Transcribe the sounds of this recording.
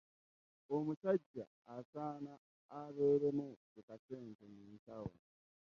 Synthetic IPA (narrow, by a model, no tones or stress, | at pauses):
o̞musaɟːa̰ːsaːnaː | βeːɾemukukase̞ːntemuːntawa̰